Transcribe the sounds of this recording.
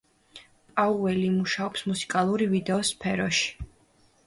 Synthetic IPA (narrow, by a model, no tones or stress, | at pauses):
pʼauvɛlimuʃaɔpsmusi̥kʼalˠuɾivid̪ɛɔspʰɛɾɔʃi̥